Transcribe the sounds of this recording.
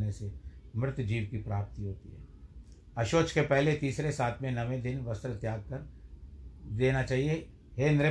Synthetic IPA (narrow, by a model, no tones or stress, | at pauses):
nesemɾɪt̪d͡ʒiːʋkipɾaːp̚t̪iɦoːt̪ḭɦɛ̰ː | ɐʃoːt͡ʃkepɛɦlet̪iːsɾesaːt̪ʰmẽnɐʋẽd̪ɪnʋɐst̪ɾət̪jaːɡ̚kɐɾ | d̪eːnat͡ʃaːɦie | ɦend̪ɾe